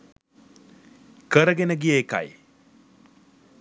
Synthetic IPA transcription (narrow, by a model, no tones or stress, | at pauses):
kəɾɐɡenɐɡijeːka̰j